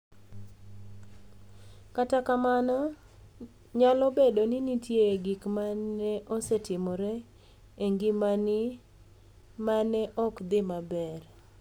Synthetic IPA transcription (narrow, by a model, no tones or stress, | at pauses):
katakamanɔ | ɲalɔbedonɪnitjeɡikmanɛʔosɛtɪmɔɾɛ | eŋɡimanɪ | manɛʔɔkd̪ɪmabɛr